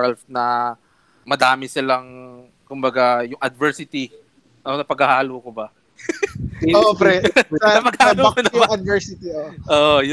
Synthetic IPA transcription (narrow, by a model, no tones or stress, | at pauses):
ɐlfnɐ | mɐd̪aːmɪsɪlɐŋ | kʊmbɐɡajʊŋʔɐd̪̚vɛɹsɪt̪i | ʔonɐpɐɡhahahɐloːkobɐ | oʔpɾɛnɐpɐɡ̚hahoːkonɐɐd̪̚vɛɹsɪt̪ioʔʔoːʔojʊ